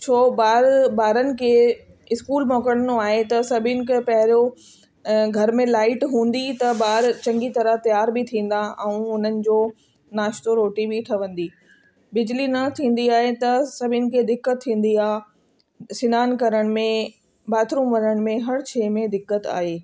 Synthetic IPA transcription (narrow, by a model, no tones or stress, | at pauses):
t͡ɕʰoːbaːɾbaːɾənɪ̆kʰeː | ɪskuːlmɔːkəɽ̃noaːɦet̪ɐsɐbʱɪnɪ̆kʰepɐɦɪɾo | ɡʱɐɾmẽlaːɪʈɦũːn̆d̪it̪ɐbaːɾt͡ɕɐ̃ŋɡit̪ɐɾət̪ɐjaːɾbɪt̪ʰĩːn̆d̪aʔɛ̃ũʊn̤ənɪ̆d͡ʑoː | naːʃt̪oɾoːʈibɪʈʰɐʋə̃nd̪iː | bɪd͡ʑlinɐt̪ʰĩːn̆d̪iaːɦet̪ɐsɐbʱɪnɪ̆kʰeːd̪ɪkːət̪ʰːĩːn̆d̪iaːɦ | sɪnaːnkɐɾəɽ̃̆mẽ | baːt̪ɾũːmʋɐɲəɽ̃̆mẽɦɐɽt͡ɕʰɛːmẽd̪ɪkːət̪a̰ːɦeː